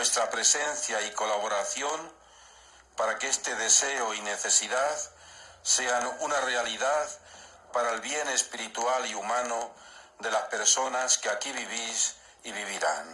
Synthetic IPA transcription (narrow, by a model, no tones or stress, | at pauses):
we̞st̪ɾapɾe̞se̞nθjaiko̞laβ̞o̞ɾaθjo̞n | paɾakee̞st̪e̞ðe̞se̞oine̞θe̞siðað | se̞anunare̞aliðað | paɾaelβje̞ne̞spiɾit̪ualiumãno | d̪e̞laspe̞ɾso̞naskeakiβiβ̞is | iβiβ̞iɾan